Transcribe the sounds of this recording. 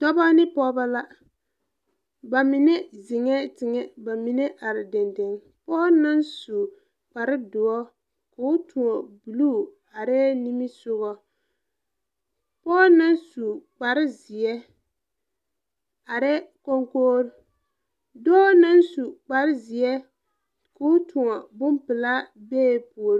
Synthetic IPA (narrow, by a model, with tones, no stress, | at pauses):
dɔ˦ba˦nɪ˦pɔː˦ba˦la˦ | ba˨mɪ˨nɛ˦zɪ˨ŋɛ˦tɪ˨ŋɛ˦ba˨mi˨nɛ˦ʔa˨ɾɪ˨dɪ˨ndɪ˨ŋ | pɔː˦na˦nsu˨ | k͡pa˨ɾɪ˦dʊ˨ɔ˦ | kʊ˨˦tʰu˨ɔ˨bu˨luː˦˨ | a˨ɾɛ˦ni˦mi˦sʊ˦ɣɔ˦ | pɔː˦na˦nsu˨k͡pa˨ɾɪ˦zɪ˨ɛ˦ | a˨ɾɛ˦ko˦ŋkoː˦ɾʊ˦ | dɔ˦na˦nsu˨k͡pa˨ɾɪ˦zɪ˨ɛ˦ | kʊ˦tʰʊ˨ŋɔ˨bʊ˦mpɪ˨la˦bɛː˦˨pu˨o˨ɾ